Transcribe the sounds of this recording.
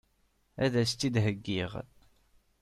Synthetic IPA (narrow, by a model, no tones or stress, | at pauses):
æðæst̪ːid̪ɦəɡːiʁ